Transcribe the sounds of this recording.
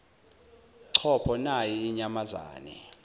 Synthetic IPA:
ǀʰɔpʰɔnajiːɲamaza̰ːnɛ̰

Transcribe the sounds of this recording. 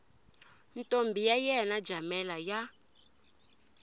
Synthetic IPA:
ntʼombʱijajɛnad͡ʒʱamɛlaja

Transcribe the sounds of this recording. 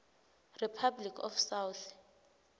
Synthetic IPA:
ripʰablikʰɔ̰fsawθ

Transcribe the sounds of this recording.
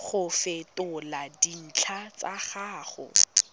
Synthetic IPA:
χʊfɪtʼʊladin̩t͡ɬʰat͡saχaːχʊ̰

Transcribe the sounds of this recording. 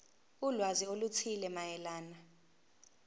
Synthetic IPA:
ulwaziolut͡sʰilɛmajɛlaːna

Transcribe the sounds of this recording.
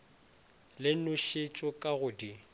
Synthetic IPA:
lɪnʊʃɪt͡ʃʼʊkʼaɣʊdi

